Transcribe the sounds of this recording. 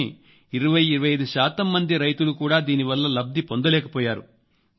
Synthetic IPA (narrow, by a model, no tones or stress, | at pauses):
i | iɾuʋɐjiɾɐʋɐjɐjd̪uʃaːt̪ɐmːɐnd̪iɾɐjt̪ulukuːɽaːd̪iːniʋɐlːɐlɐb̚d̪ipo̞nd̪ɐlɛːkɐpɔːjaːɾṵ